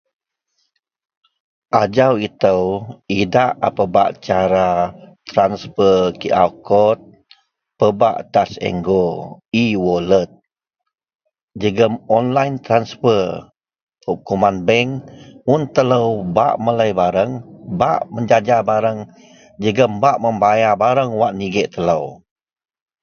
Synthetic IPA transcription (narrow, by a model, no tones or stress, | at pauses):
ʔad͡ʒawit̪əwidaʔa̰pəba̰ʔt͡ʃaɾat̪ɾansfəkiʔawkɔt̪̚ | pəbaʔt̪asɛ̰ŋɡoiwɔlət̪̚ | d͡ʒəɡəmɔnlajnt̪ɾansfə | pəp̚kumanbɛŋmunt̪ələwba̰ʔmələjbaɾəŋbaʔməɲd͡ʒad͡ʒabaɾəŋ | d͡ʒəɡəmbaʔməmbajabaɾəŋwaʔniɡɛʔt̪ələw